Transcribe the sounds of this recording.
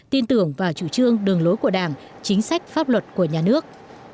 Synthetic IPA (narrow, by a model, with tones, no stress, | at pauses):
t̪i˧ənt̪ɨ˧˩əŋvaː˨˩t͡ɕu˧˩t͡ɕɨ˧əŋɗɨ˨˩əŋlo˨˦jku˧˩əɗaː˧˩ŋ | t͡ɕï˨˦ŋ̟sa˦˥jk̟̚faː˦˥p̚lwə˨˩t̚ku˧˩əɲaː˨˩nɨ˦˥ək̚